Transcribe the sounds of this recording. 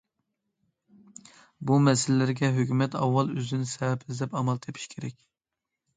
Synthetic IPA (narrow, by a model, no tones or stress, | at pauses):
bumɛsɪlɪlɪɾɡʲɛɦøkʲymɛt̪ʰɑ̰wːɑlˠøzd̪ɪnɪsɛvɛpɪzd̪ɛpɑmɑlˠt̪ʰepʰi̥ʃkʲʰeɾɛkʲ